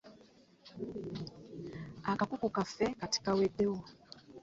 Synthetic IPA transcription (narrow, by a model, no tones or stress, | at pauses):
akakukukafɛkati̥kawedewo